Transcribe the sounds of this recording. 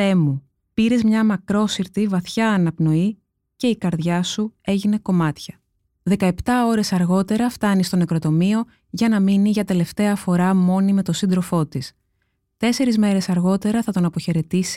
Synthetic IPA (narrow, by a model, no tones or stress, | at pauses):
e̞mu | piɾe̞zmɲɐmɐkɾo̞siɾt̪ivɐθçɐːnɐpno̞i | ce̞ikɐɾðʝɐsue̞ʝine̞ko̞mɐt̪çɐ | ðe̞kɐe̞pt̪ɐo̞ɾe̞sɐɾɣo̞t̪e̞ɾɐft̪ɐnist̪onekɾo̞t̪o̞mio̞ | ʝɐnɐminiʝɐt̪e̞le̞ft̪e̞ɐfo̞ɾɐmo̞nime̞t̪o̞sind̪ɾo̞fo̞t̪is | t̪e̞se̞ɾizme̞ɾe̞sɐɾɣo̞t̪e̞ɾɐθɐt̪o̞nɐpo̞çe̞ɾe̞t̪isi̥